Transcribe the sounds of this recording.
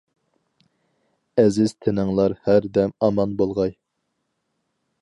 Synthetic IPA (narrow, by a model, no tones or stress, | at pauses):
ɛzɪz̥t̪ʰɪnɪŋlˠɑɾhæɾd̪ɛmɑmɑnbolˠʁɑj